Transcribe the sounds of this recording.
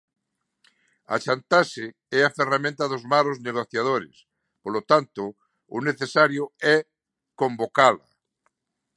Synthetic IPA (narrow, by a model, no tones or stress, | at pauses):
a̰t͡ʃant̪ase | ɛaferamẽnt̪aðozmaɾozneɣ̞oθjað̞oɾḛs | polot̪ant̪o | uneθesaɾjoɛ | kombokala̰